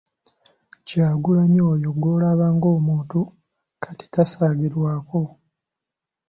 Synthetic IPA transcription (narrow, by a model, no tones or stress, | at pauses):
caːɡulaɲo̞ːjo̞ɡwo̞ːlaβaːŋɡo̞ːmuːntu | kʰḁti̥tasaːɡiɾwaːko̞